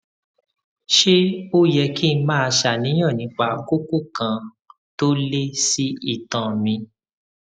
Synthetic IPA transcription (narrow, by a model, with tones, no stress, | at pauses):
ʃe˦o˦jɛ˧ki˦n̩˧mãː˦a˧ʃa˨nĩ˨˦j̃ã˦˨nĩ˨˧˦k͡pa˨ku˦ku˦kã˧ | to˦le˦si˦i˦˨tã˨mĩ˧